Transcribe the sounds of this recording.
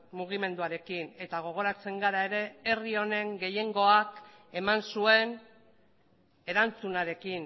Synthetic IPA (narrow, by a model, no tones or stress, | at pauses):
muɣime̞nd̪uaɾe̞kine̞t̪aɣ̞o̞ɣ̞o̞ɾat͡se̞ŋɡaɾae̞ɾe̞ːrio̞ne̞ŋɡe̞je̞ŋɡo̞ak | e̞mansue̞n | e̞ɾant͡sunaɾe̞kin